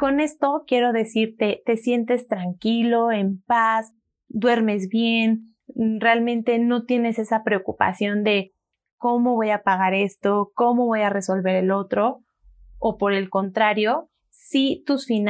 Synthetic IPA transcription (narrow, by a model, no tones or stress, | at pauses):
ko̞ne̞st̪o̞kje̞ɾo̞ðe̞siɾt̪e̞t̪e̞sje̞nt̪e̞st̪ɾaŋkilo̞empas | d̪we̞ɾme̞zβje̞n | realmẽ̞nt̪e̞no̞t̪je̞ne̞se̞sapɾe̞okupa̰sjo̞nd̪e̞ | ko̞mo̞β̞o̞japaɣ̞aɾe̞st̪o̞ko̞mo̞βo̞jare̞so̞lβe̞ɾe̞lo̞t̪ɾo̞ː | po̞ɾe̞lko̞nt̪ɾaɾjo̞ | sit̪usfin